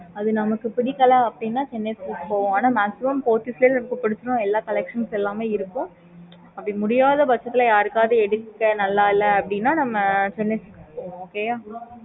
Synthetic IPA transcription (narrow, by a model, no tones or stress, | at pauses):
ɐðɯnɐmɐkːɯpɪɽɪkːɐlaːɐpːɐɽɪnːaːt͡ʃɛnːeskɪkpoːʋʊ̃aːnaːmaːksɪmɐmpoːʈ̪ːisleːnɐmɐkːɯpɪɽɯt͡ʃːɯɾʊ̃ɛlːaːkɐlɛkʂɐnsɛlːaːmeːɪɾɯkːʊ̃ | ɐpːɐɽimʊɽɪjaːðɐbɐt͡ʃːɐt̪ːɪlɐjaːɾɯkːaːðɯɛɽɯkːɐnɐlːaːɪlːɐɐpːɐɽɪnːaːnɐmːɐt͡ʃɛnːesɪkːpoːʋʊ̃oːkeːjaː